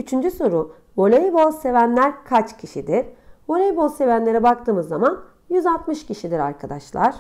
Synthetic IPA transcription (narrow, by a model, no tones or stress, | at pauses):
yt͡ʃʰynd͡ʒyso̞ɾʊ | bo̞lʲejbolˠse̞vænlʲæɾkʰat͡ʃcʰiʃid̪iɾ̥bo̞lʲejibolˠse̞vænlʲe̞ɾɛbak̚t̪ʰɯːmɯzːaman | jyzalt̪mɯʃciʃid̪iɾa̰ɾkʰad̪aʃlˠa̰ɾ̥